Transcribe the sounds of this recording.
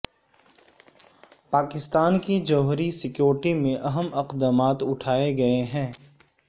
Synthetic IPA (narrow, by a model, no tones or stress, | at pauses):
paːkɪst̪aːnkid͡ʒɔːɦɾisɪkjoːɾʈimẽʔɐɦəmɐqd̪əmaːt̪ʊʈʰaːeɡɐeɦɛ̃ː